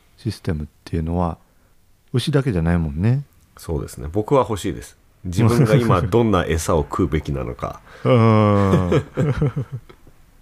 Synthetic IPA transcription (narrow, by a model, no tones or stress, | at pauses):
ɕisɨ̥t̪e̞mɯ̟t̪ːe̞jɯ̟no̞βa | ɯ̟ɕid̪ake̞ʑanaimõ̞nːe̞ | so̞ːd̪e̞sɨnebo̞kɯ̟βaho̞ɕiːd̪e̞sɨ̥ | d͡ʑiɯ̟ŋɡaimad̪õ̞nːaʔe̞sao̞kʰɯːbe̞kʲina̰no̞̰ka̰ɯ